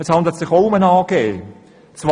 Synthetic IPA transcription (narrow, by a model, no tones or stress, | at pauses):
ɛshɑnd̪lətsɪχoʊʊmənɑːɡ̥eː | t͡sv